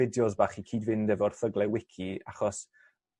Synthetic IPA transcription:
ɪdjɔzbaːχikʰiːdvɪndɛvɔrθəɡlˠɛwɪkʰiaχɔs

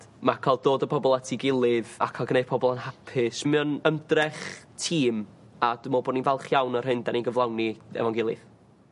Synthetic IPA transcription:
makʰalˠd̚oːdəpʰɔbɔlˠatʰiɡɪlˠɨðakʰalˠɡnejd̥̚pʰɔbɔlˠanhapʰɪsmɨɔnəmdrɛχtʰiːm | adɪmɔboːninvɛlˠχjawnər̥hɨndaninɡəvlˠawniɛ̰vaŋɡɪlˠɨ̰ð̥

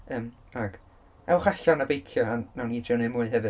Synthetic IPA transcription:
əːm | aɡ̥ | ɛwχaɬanabejkʰjɔanawnidrjɔnemuːɨɦɛvɨ

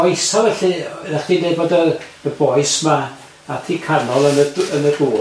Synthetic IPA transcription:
ejsavɛɬɨrɛχd̥indeːboːdəəbɔɨsmaː | tʰiːkʰanɔlˠənəənəɡuː

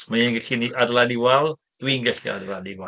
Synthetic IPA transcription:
maɛnɡɛɬiniʔadladiwalˠ | d̥winɡɛɬia̰dlˠadiwa

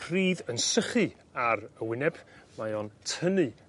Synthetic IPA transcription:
riːðənsəχɨ | aɾəwɪnɛb̥majɔntʰənɨ

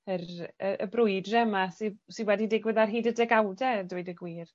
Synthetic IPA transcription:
ərəəbrʊɨdrɛmasisɨwɛdidɪɡwəðarɦiːdədɛɡawdɛduɨdəɡwiːr

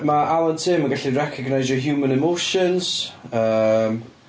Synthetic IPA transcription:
maʔalˠantʰiːmaɡaɬirɛkʰəɡnajzɔɦjuːmə̃nɛmoʃənz̥əːm

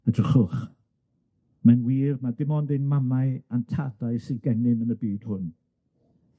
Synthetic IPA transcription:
ədrəχʊχ | manwiːrmadɪmɔndɪnmamaɨantʰadaɨsɨnɡɛnɪmənəbiːd̥hʊn

